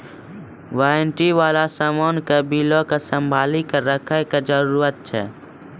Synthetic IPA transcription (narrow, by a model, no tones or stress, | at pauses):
ʋaːnʈiʋaːlasəmoːnkəbiːlokasə̃mbʱaːlikəɾəkʰekad͡ʒəɾuːɾət̪̚t͡ʃʰɛː